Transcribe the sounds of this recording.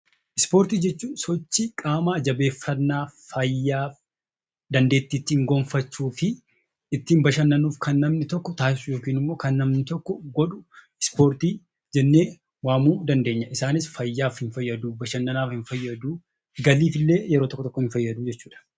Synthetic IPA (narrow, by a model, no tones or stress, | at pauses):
ʔɪspoːɾt̪iːd͡ʒɛt͡ʃːuːsɔt͡ʃːɪkʼaːmaːd͡ʒɐbe̞ːfːɐnːaːfɐjːaːf | d̪ɐnd̪e̞ːt̪ːiːt̪ːiːŋɡɔɱfɐt͡ʃːuːfɪ | ɪt̪ːɪːmbɐʃɐnːɐnuːfkɐnːɐmnɪt̪ɔkːɔt̪aːsɪsʊjo̞ːkiːnɪmːo̞ːkɐnːɐmnɪt̪ɔkːɔɡɔᶑʊ | ɪspo̞ːɾt̪iː | d͡ʒɛnːe̞ː | waːmuːd̪ɐnd̪e̞ːɲːɐʔɪsaːnɪsfɐjːaːfhɪnfɐjːɐd̪uːbɐʃɐnːɐnaːfhɪɱfɐjːɐd̪uː | ɡɐliːfɪlːe̞ːjɛɾot̪ɔkːɔt̪ɔkːɔhɪɱfɐjːɐd̪uːd͡ʒɛt͡ʃːuːᶑɐ̥